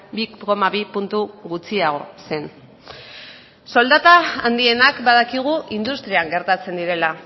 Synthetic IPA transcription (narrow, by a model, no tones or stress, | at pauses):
biko̞maβipunt̪uɣut͡siaɣ̞o̞se̞n | so̞ld̪at̪aːnd̪ie̞nakbaðakiɣ̞uʔind̪ust̪ɾiaŋɡe̞ɾt̪at͡se̞nd̪iɾe̞la